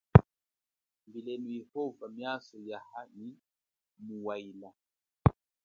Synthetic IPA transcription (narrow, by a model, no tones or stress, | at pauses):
mbilɛnujɛhɔvamjasɔjahani | muwaila